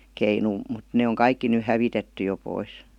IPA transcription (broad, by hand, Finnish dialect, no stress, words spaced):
keinu mut ne oŋ kɑikːi ny hæʋitetːy jo pois